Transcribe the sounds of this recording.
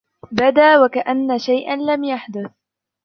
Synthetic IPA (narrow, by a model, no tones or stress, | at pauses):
bad̪aːwakaʔanːaʃajʔanlamjaħd̪ʊθ